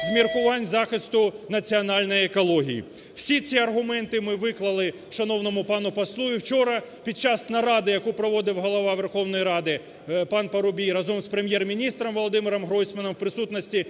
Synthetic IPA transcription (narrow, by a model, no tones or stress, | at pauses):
zmʲirkʊʋɑnʲzɑxɪst̪ʊnɐt͡sʲiɐnɑlʲnɔjɛkɔlˠɔɦʲijḭ | w̥sʲit͡sʲiɐrɦʊmɛnt̪ɪmɪʋɪklˠɐlˠɪ | ʃɐnɔwnɔmʊpɑnʊpɐslˠujiwt͡ʃɔɾɐ | pʲid̪̚t͡ʃɑsnɐɾɑd̪ɪjɐkupɾɔʋɔd̪ɪwɦɔlˠɐʋɑʋerxɔwnɔjiɾɑd̪ɪ | pɑnpɐɾʊbʲijrɐzɔmspɾemʲjɛrmʲinʲist̪ɾɐmʋɔlˠɔd̪ɪmɪɾɐmɦɾɔjsʲmɐnɔmwpɾɪsut̪nɐsʲtʲi